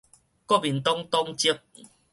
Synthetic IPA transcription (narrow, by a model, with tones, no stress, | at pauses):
kɔ˦bi˨nt̪ɔ˦ŋt̪ɔ˦ŋt͡ɕi˦ək̚